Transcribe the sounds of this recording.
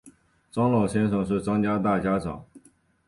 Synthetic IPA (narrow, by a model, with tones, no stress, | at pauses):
ʈ͡ʂɑ˥ŋlɑ˨˩ɕjɛ˥nʂɤ˨˩ŋʂ̬ɻ̩˥˩ʈ͡ʂɑ˥ŋt͡ɕja˥t̪a˥˩t͡ɕja˥ʈ͡ʂɑ̰˨˩˦ŋ